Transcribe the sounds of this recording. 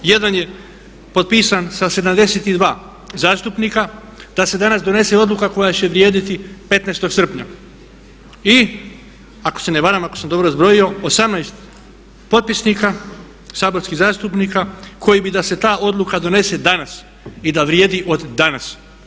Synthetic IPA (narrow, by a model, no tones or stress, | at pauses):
je̞d̪anje̞ | po̞t̪̚piːsansase̞d̪amd̪e̞set̪id̪ʋaː | zaːst̪upnika | d̪ase̞d̪anasd̪o̞ne̞se̞o̞d̪lˠukako̞jat͡ɕe̞ʋɾʲjeːd̪it̪ipe̞t̪naːst̪o̞ɡsr̩pɲa | i | ako̥se̞neʋaɾamakosamd̪o̞bɾozbɾo̞jio̞osamnajst̪ | po̞t̪̚pisnika | saːbo̞ɾskizaːst̪upnikakʰo̞jibid̪ase̞t̪aːʔo̞d̪lˠukad̪o̞ne̞se̞d̪anas | id̪aʋɾje̞ːd̪iʔo̞d̪ːanas